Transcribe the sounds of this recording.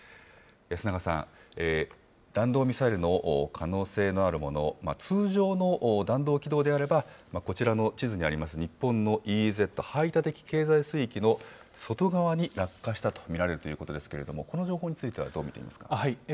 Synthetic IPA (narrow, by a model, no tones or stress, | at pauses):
jasɨnaɡasã̰ŋe | d̪̥ãnd̪o̞ːmʲisaeɾɯ̟no̞ʔːkʰano̞ːse̞ːno̞aɾɯ̟mo̞no̞̰ma̰t͡sɨːʑo̞ːno̞ʔːd̪ãnd̪o̞ːkʲid̪o̞ːd̪e̞aɾe̞bamako̞t͡ɕiɾano̞t͡ɕizɨɲ̟iaɾʲimasɨɲ̟ipːõ̞nːo̞ʔiːze̞t̪ːo̞hait̪at̪e̞kʲi̥ke̞ːzaisɨikʲino̞ | so̞t̪o̞ɡaβaɲ̟iɾakːaɕi̥t̪at̪o̥mʲiɾaɾe̞ɾɯ̟t̪o̞jiɯ̟ːko̞t̪o̞d̪e̞sɨ̥ke̞ɾe̞d̪o̞mo̞ko̞no̞ʑo̞ːɦo̞ːɲ̟it͡sɨit̪e̞a̰d̪o̞ːmʲit̪e̞̰ḭmasɨ̥kḁ̰hi